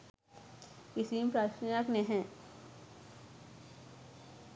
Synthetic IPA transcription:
ɪsimpɾaːʃijakneɦɛ̃ː

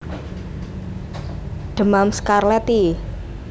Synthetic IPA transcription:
ɖ̪̥ə̤mamskarlɛt̪i

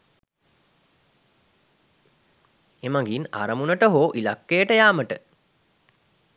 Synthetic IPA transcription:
emaŋɡina̰ɾəmunəʈəɦoːʔilakːejəʈəjaːməʈə

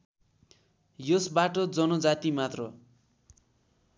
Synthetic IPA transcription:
josbaʈʌd͡zʌnʌd͡zat̪imat̪rʌ

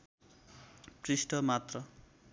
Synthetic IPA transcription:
prisʈʰʌmat̪rʌ

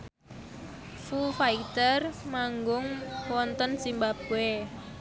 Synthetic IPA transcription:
fufait̪ərmaŋɡʊŋwɔnt̪ɔnsimbapue

